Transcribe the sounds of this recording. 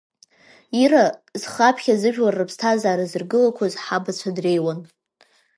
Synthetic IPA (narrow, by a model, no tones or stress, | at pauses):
iɾazχapʰχʲazɨʒᶣlarːɨpʰstʰazaːɾazɨrɡɨlakʷʰazħabat͡ɕʷʰadre̞jwan